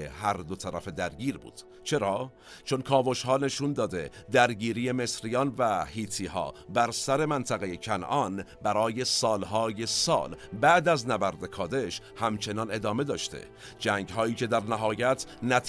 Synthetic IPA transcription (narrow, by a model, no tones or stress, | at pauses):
ehæɾd̪ot̪ʰæɾæ̰fe̞d̪æɾɟiːɾbṵːd̪̥ | t͡ʃʰe̞ɾɒː | t͡ʃʰonkʰɒːvoʃhɒːne̞ʃund̪ɒːd̪e̞ | d̪æɾɟiːɾije̞me̞sɾijɒːnvæhiːt̪ʰiːhɒ̰ːbæɾsæɾe̞mænt̪ʰæɣe̞jecʰænʔɒnbæɾɒːje̞sɒːlɦɒːje̞sɒ̰ːlbæʔd̪æznæbæɾd̪e̞kʰɒːd̪e̞ʃ | hæmt͡ʃʰe̞nɒːne̞d̪ɒːme̞d̪ɒːʃt̪ḛ | d͡ʒæːŋɟɦɒːjiːcʰe̞d̪æɾnæɦɒːjæt̪ʰnæt̪ʰ